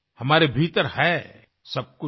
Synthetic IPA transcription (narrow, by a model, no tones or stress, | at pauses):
hɐmaːɾebʱiːt̪əɾhɛ | sɐb̚kʊ